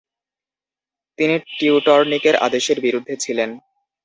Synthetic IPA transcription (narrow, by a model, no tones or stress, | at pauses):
t̪iniʈiuʈɔɾnikeɾʔa̰d̪eʃeɾbiɾud̪ʱːet͡ɕʰilen